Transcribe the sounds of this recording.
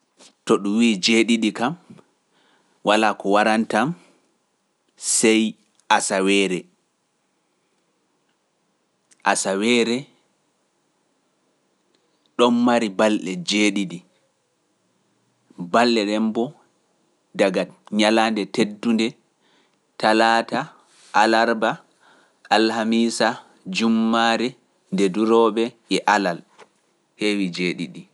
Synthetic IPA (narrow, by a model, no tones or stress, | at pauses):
tɔɗuwiːd͡ʒeɗiɗikam | walaːkɔwaɾantam | sɛj | ʔasawɛːɾɛ | ʔasawɛːɾɛ | ɗɔnmaɾibalɗɛd͡ʒeɗiɗi | balːɛɗɛmbɔ | daɡaɲalandɛtedːundɛ | talaːta | ʔalaɾba | alhamiːsa | d͡ʒumːaɾɛ | ndɛduɾɔɓɛ | ɛʔalal | hewid͡ʒeːɗiɗi